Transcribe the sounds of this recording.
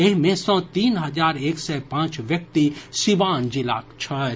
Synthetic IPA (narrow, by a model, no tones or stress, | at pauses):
eɦmẽsɔ̃ːt̪iːnɦɐzaːɾeːksɛpãːt͡ʃʋjɐk̚t̪isibaːnd͡ʒila̰ːkt͡ʃʰɐ